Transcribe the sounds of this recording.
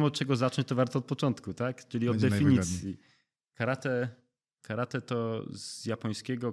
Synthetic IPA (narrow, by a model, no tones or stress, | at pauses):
mɔt̪̚t͡ʂɛɡɔzaɔ̃ɲt͡ɕt̪ɔvaɾt̪ɔːt̪̚pɔt͡ʂɔnt̪kut̪akt͡ʂɘlʲiɔd̪d̪ɛfʲiɲisʲji | kaɾat̪ɛ | kaɾat̪ɛt̪ɔz̥japɔj̃skʲɛɡɔ